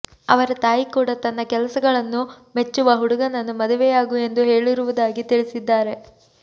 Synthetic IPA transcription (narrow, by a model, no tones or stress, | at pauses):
ɐʋɐɾɐt̪aːjikuːɽɐt̪ɐnːɐkɛlɐsɐɡɐɭɐnːu | me̞t͡ʃːuʋɐɦuɽuɡɐnɐnːumɐd̪uʋɛjaːɡue̞nd̪uɦe̞ːɭiɾuʋud̪aːɡit̪iɭisid̪ːaːɾe̞